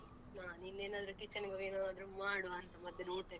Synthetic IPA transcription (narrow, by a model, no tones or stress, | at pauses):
naːninːeːnaːd̪ɐɾukit͡ʃːɐnɡɐʋeːnaaːd̪ɐɾumaːɽuɐnt̪ɐmɐd̪ʱjɐnoːʈ̪ːe